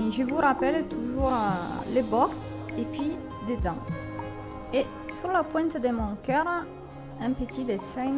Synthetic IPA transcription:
ʒəvuʁapɛlt̪uʒuʁlebɔʁ | epɥi | d̪ed̪ɑ̃ | e | syʁlapwɛ̃nt̪əd̪əmɔ̃ŋkœʁ | ɛ̃pət̪ʰid̪esɛn

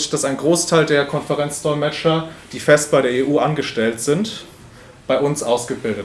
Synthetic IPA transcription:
d̥asaɪnɡʁoːstʰaɪldeːɐkʰɔnfəʁɛnt͡sd̥ɔɪlmɛt͡ʃɐd̥iːfɛst̚b̥aɪɾeːɐeːʔuːʔanɡəʃtɛltz̥ɪnt | b̥aɪʔʊnsʔaʊsɡ̥əbɪldə

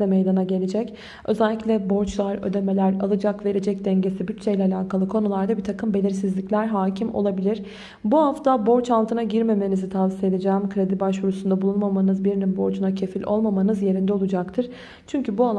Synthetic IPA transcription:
ɛmejd̪anaɟe̞lʲed͡ʒɛc | ø̞̰zɛlʲːiclʲɛbo̞ɾt͡ʃlˠaɾø̞̰d̪e̞me̞lʲæɾa̰lˠɯd͡ʒakve̞ɾe̞d͡ʒɛc̚d̪ɛɲɟe̞sibyt̪t͡ʃʰejilʲɛalʲaːkʰalˠɯkʰo̞nulˠaɾd̪abit̪ʰakʰɯmbe̞lʲiɾsizlʲiclʲæɾɦaːcʰimo̞̰lˠabilʲiɾ̥ | buhaft̪ʰabo̞ɾt͡ʃalˠt̪ɯnaɟiɾme̞me̞nizit̪ʰavsie̞d̪ed͡ʒæːmkʰɯɾe̞d̪ibaʃvuɾusund̪abulˠunmamanɯzbiɾinimbo̞ɾt͡ʃʰunacʰe̞filʲʔo̞̰lˠmamanɯzje̞ɾind̪ɛo̞lˠud͡ʒakt̪ʰɯɾ̥ | t͡ʃʰyɲcʰybua

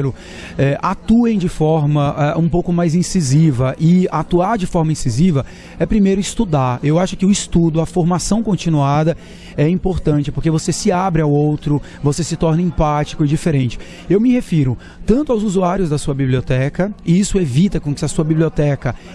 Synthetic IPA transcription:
ɾʊ | ɛʔat̪uẽj̃d͡ʒɪfɔɾmɐʔɛũpowkʊmajzĩsizivɐʔɪat̪uaɾd͡ʒɪfɔɾmɐĩsizivɐ | ɛpɾimejɾʊist̪ud̪aɾewaʃʊkɪʊist̪ud̪ʊɐfoɾmasɐ̃w̃kõnt͡ʃĩnuad̪ɐ | ɛĩpoɾt̪ɐ̃nt͡ʃɪpoɾkevosesɪabɾɪawowt̪ɾʊ | vosesɪt̪ɔɾnɐẽpat͡ʃi̥kʊɪd͡ʒifeɾẽnt͡ʃɪ̥ | ewmɪhefiɾʊ | t̪ɐ̃nt̪ʊawzuzuaɾjʊzd̪ɐsuɐbiblʲiot̪ɛkɐɪisʊevit̪ɐkõkɪɐsuɐbibliot̪ɛkɐ

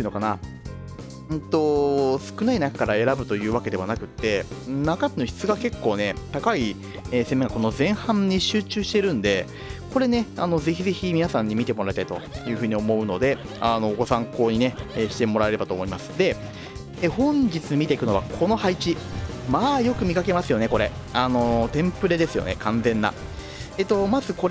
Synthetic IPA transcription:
ɯ̟nokana | ɯ̃t̪o̞sɨ̥kɯ̟nainakḁkaɾae̞ɾabɯ̟t̪o̞jɯ̟ːβake̞d̪e̞βanakɯ̟t̪ːe̞nakat̪enoçi̥t͡sɨɡake̞kːo̞ːne̞t̪akai | eːse̞mːe̞ŋɡako̞no̞zẽ̞ɰ̃hãɲːiɕɨːt͡ɕɨːɕi̥t̪e̞ɾɯ̟̃nd̪e̞ | ko̞ɾe̞ne̞a̰no̞ze̞çize̞çimʲinasãɲ̟ːimʲit̪e̞mo̞ɾaɾit̪ait̪o̞̰jɯ̟ːɸɯ̟ːɲ̟io̞mo̞ɯ̟no̞d̪e̞ | ano̞ɡo̞sãŋko̞ːɲ̟ine̞eːɕi̥t̪e̞mo̞ɾae̞ɾe̞bat̪oːmo̞imasɨ̥d̪e̞ | ehõ̞ɲ̟d͡ʑit͡sɨmʲit̪eikɯ̟no̞βa̰kʰo̞no̞hait͡ɕimaːjo̞kɯ̟mʲikake̞masɨjo̞ne̞ko̞ɾe̞ | ano̞t̪ẽ̞mpɯ̟ɾe̞d̪e̞sɨjo̞̰nekãnd͡zẽ̞nːa̰ | et̪o̞mazɨko̞ɾ

